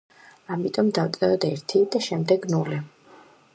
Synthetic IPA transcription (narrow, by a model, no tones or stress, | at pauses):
amit̪ʼɔmd̪avt̪sʼɛɾɔd̪ɛɾt̪ʰid̪aʃɛmd̪ɛɡnuli